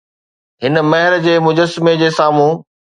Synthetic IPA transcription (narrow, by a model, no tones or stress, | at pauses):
ɦɪnə̆mɐɦɪɾd͡ʑeːmʊd͡ʑəsmed͡ʑeːsaːmũː